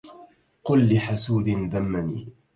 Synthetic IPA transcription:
qʊlːɪħasuːd̪ɪnðamːanḭː

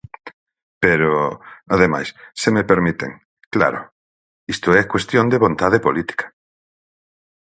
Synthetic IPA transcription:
peɾoaðema̰jssemepeɾmit̪ḛŋ | kla̰ɾʊ̰ | ist̪oɛkwest̪jõnd̪eβõnt̪aðepolit̪i̥kḁ

